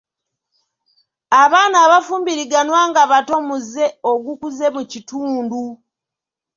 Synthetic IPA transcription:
aβaːnaːβafuːmbiɾiɡanwaːŋɡaβato̞muze̞oɡukuze̞mucituːndu

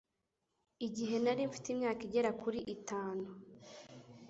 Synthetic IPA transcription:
iɟiɦe̞naɾiɱfi̥timɲaːkiɟe̞ɾakuɾiʔitaːnu

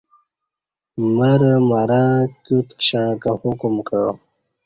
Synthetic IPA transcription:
mɐɾəmaɾãːkut̪kɕaɳkahukumkə

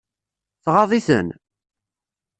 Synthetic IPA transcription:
θʁɑðˤiθə̰n

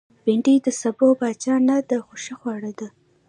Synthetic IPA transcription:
bɪɳɖid̪əsabobɑt͡ʃɑnad̪əxoʃexwɑɽad̪a

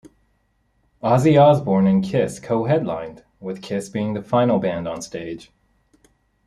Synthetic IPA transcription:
ɑziɑzbɔɹnɨ̃nkʰɪskʰoʊɦɛdˡlã̰ɪ̃nd̥ | wɪð̥kʰɪsb̥iɪ̃ŋðəfãɪ̃nl̩ˠbæ̃ndn̩steɪd̥ʒ̥

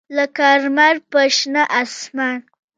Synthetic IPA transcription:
lakaɾmaɾpəʃnaʔasman

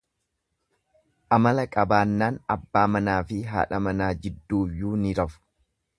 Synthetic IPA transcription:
ʔɐmɐlɐkʼɐbaːnːaːnɐbːaːmɐnaːfɪɦa̰ːᶑɐmɐnaːd͡ʒɪd̪ːuːjːuːnɪɾɐfʊ̥

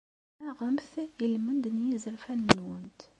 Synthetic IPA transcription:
æʁəmθjəlmənd̪ənjizəɾfænənwənt̪

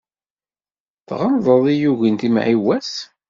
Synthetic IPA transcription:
θʁɑmðˤəðˤijuʝint̪im̰ʕiwæs

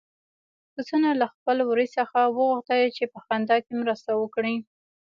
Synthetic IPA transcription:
kusənalaxpəlwɾisəxawəɣuxt̪əlt͡ʃepəxand̪ɑkemɾəst̪awəkɽi

